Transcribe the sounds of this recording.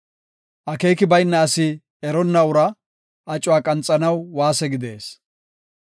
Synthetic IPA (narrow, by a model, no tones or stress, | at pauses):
ʔɐkeːkɪbɐjnːɐːsɪ | ɛɾɔnːɐʊɾɐ | ʔɐt͡ʃʼʊwaːkʼɐnt͡sʼːɐnɐwːaːsɛɡɪd̪e̞ːs